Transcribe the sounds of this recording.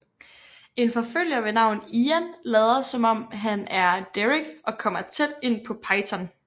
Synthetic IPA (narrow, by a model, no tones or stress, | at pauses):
e̝nfɒ̽føl̰jɐʋe̝nɑ̈ʊ̰n̩iːænlɛːð̞ˠɐsɒ̽mɒ̽m̰ɦænæɐd̥eʁiɡ̥ʔɒ̽kʰɒ̽m̰ɐt͡sʰed̥e̝n̰pʰɒ̽pʰɑ̈ɪt͡sʰæn